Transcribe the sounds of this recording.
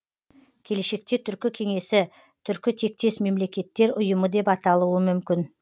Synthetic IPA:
kʲʰe̞leʃe̞k̚t̪e̞t̪ʰʏɾkʲɪkʲʰe̞ŋe̞sɪ | t̪ʰʏɾkʲɪt̪ʰe̞k̚t̪e̞sme̞mle̞kʲe̞t̪ːe̞ɾʊjəməd̪e̞pɑt̪ɑlˠuəmʏmkʲɪn

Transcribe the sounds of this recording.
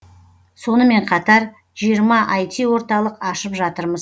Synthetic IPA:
so̞nəme̞ɴqʰɑt̪ɑɾ | ʒijəɾmɑʔɑjt̪iwo̞ɾt̪ɑlˠəqɑʃəpʒɑt̪əɾməz

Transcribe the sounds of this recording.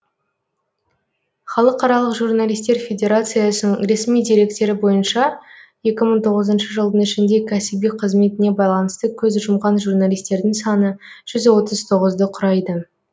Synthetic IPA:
χɑlˠəqɑɾɑlˠəqʒurnalʲijst̪e̞ɾfʲe̞dʲe̞ɾat̪sɨjɑsənəŋɾe̞smijd̪iɾe̞kt̪e̞ɾɪbo̞jənʃɑje̞kʲɪməɴt̪ʰo̞ʁəzənʃəʒəlˠd̪ənɪʃɪnd̪e̞kʲʰæsɪbijqʰəzme̞t̪ɪne̞bɑjlˠɑnəst̪əkʲʰɵzʒʊmʁɑnʒurnalʲˠijst̪e̞ɾd̪ɪŋsɑnəʒ̥ʏzwo̞t̪əz̥t̪ʰo̞ʁəzd̪əqʰʊɾɑjd̪ə

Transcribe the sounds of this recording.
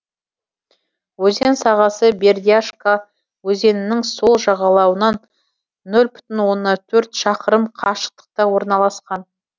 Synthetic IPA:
wɵze̞nsɑʁɑsəbe̞rd̪ʲiaʂka | wɵze̞nɪnɪŋso̞lˠʒɑʁɑlˠɑwənɑnː | ɵlʲbʏt̪ɪnwo̞nːɑt̪ʰɵɾt̪ʃɑqəɾəmqʰɑʃə̥q̚t̪ə̥q̚t̪ɑwo̞ɾnɑlˠɑsqɑn

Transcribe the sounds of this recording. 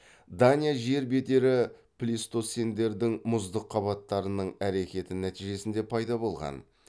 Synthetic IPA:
d̪anʲijaʒe̞ɾbe̞d̪e̞ɾɪplʲist̪o̞se̞nd̪e̞ɾd̪ɪŋmʊzd̪əqʰːɑβɑt̪ːɑɾənəɴæɾe̞kʲe̞t̪ɪnæt̪iʒe̞sɪnd̪e̞pʰɑjd̪ɑbo̞lˠʁɑ̰n

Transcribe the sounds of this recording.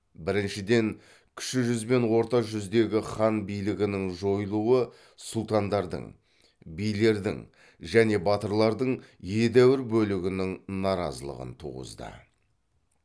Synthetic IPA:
bɪɾɪnʃɪd̪e̞ŋ | kʲʰʏ̥ʃɪʒʏzbe̞nwo̞ɾt̪ɑʒʏzd̪e̞ɡʲɪχɑnbijlɪɡʲɪnɪŋʒo̞jlˠuwə | sʊlˠt̪ɑnd̪ɑɾd̪ə̰ɴ | bijle̞ɾd̪ɪ̰ŋ | ʒæne̞bɑt̪əɾlˠɑɾd̪əɴje̞d̪æwɪɾbɵlɪɡʲɪnɪŋnɑɾɑ̰zəlˠə̰ʁə̰nt̪ʰṵʁə̰zd̪ə̰

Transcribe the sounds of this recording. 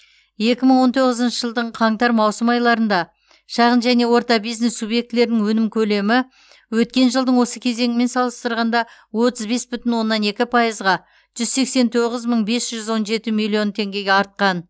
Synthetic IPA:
je̞kʲɪməɴwo̞nt̪ʰo̞ʁəzənʃəʒəlˠd̪əɴqʰɑŋt̪ɑɾmɑwsəmɑjlˠɑɾənd̪ɑ | ʃɑʁənʒæne̞wo̞ɾt̪ɑbijzne̞sːubje̞k̚t̪ɪle̞ɾɪnɪŋwɵnɪmkʲʰɵle̞mɪ | wɵt̪kʲe̞nʒəlˠd̪əɴwo̞səkʲʰe̞ze̞ŋɪme̞nsɑlˠəst̪əɾʁɑnd̪ɑwo̞t̪əzbe̞sbʏt̪ɪnwo̞nːɑne̞kʲɪpʰɑjəzʁɑ | ʒ̥ʏzse̞kse̞nt̪ʰo̞ʁəzməɴbe̞sʒ̥ʏzwo̞nʒe̞t̪ɪmijlʲˠijo̞nt̪ʰe̞ŋɡʲe̞ɡʲeɑɾt̪̚qɑn

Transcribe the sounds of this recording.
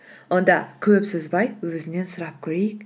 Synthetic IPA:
wo̞nd̪ɑkʲʰɵpsɪzbɑjwɵzɪne̞nsəɾɑp̚kʲʰɵɾe̞jɪk

